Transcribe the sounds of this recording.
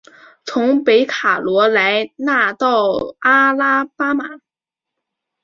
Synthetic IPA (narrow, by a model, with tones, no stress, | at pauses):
t͡sʰʊ˧˥ŋpe˧˥ɪkʰa˨˩lwɔ˧˥la˧˥ɪna˥˧t̪ɑ˥˩ʊa˥la˥pa˥ma˨˩˦